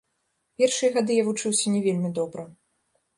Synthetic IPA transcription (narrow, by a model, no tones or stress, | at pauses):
pʲɛrʂɨjɐɣad̪ɨjavut͡ʂɨwsʲɐnʲɛvʲelʲmʲid̪ɔbɾɐ